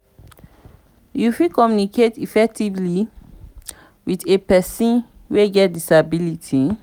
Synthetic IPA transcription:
jufikɔmjunikʰetifɛk̚tivli | widepɛsɔ̃n | weɡɛt̚disabilitʰi

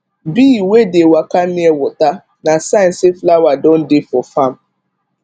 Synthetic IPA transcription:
biːwedewakaniewʊta | nasaɪn̩sɪflawadɔn̩dɪfɔfam̩

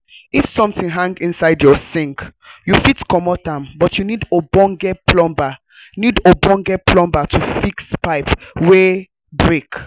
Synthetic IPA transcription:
ifsɔ̃mθĩŋɦãŋɡĩnsaɪdjɔsĩŋk | jufitkɔmɔtãmbɔtjunidobɔ̃ŋɡɛpʰlɔ̃mba | nidobɔ̃ŋɡɛplɔ̃mbatʰufikspaɪpwe | bɹek

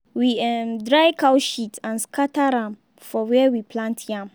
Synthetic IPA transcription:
wiɛmdɾaɪkʰaʊʃitʰãnskʰatʰaɾãm | fɔwɛɛwipʰlãntʰjãm

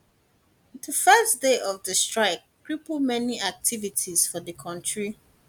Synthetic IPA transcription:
dəfɜsdeʔɔvðəstɹaɪk̚kɹipl̩mɛniak̚tʰivitʰiz̥fɔðəkʰɔ̃ntɹi

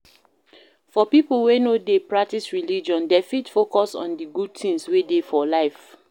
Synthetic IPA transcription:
fɔpiplwenodepɹak̚tisɹilid͡ʒɔ̃ndefitfokɔsɔ̰̃ndiɡud̚tĩŋswedefɔlaɪf

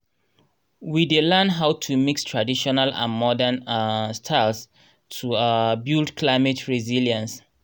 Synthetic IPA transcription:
widelɛnɦawtʰumikstʰɹadiʃɔnalã̰nmɔdənstʰaɪls | tʰubildkʰlaɪmɛtʰɹiziljãns

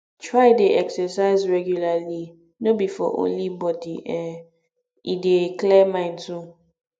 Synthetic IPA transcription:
tʰɹaɪdeʔɛksɛsaɪzɹɛɡjulali | nobifɔ̰ʔõ̰nlibɔdiʔɛ | ideklɛmãɪ̃ntũ

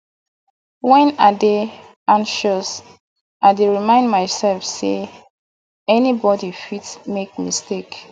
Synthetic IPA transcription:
wɛ̃nade | ãnʃɔs | aɪdeɹimãɪ̃ndmaɪsɛlfse | ɛnibɔdifitmek̚mistek

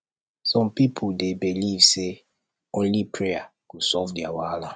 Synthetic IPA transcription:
sɔ̃mpipʰudebilivse | õnlipʰɹeakusɔfdiawala

